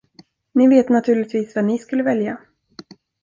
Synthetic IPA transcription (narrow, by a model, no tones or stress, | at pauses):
nɪveːt̪nat̪ʰʉ̟ːɭlɪt̪viːsvanɪskɵlːəvɛlja